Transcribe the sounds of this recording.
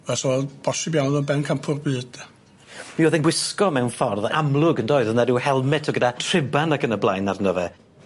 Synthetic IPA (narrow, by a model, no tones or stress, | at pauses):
vɛsɔɛb̥ɔsibjandɔnbɛnkʰampʰʊrbɨːd̥ɛ | miɔðɛnɡwɪskɔmɛwnfɔrðamlˠʊɡəndoːɨðənɛdɪwhɛlˠmɛtʰɔɡədatʰr̥ɪbanakʰənəblˠajnarnɔvɛ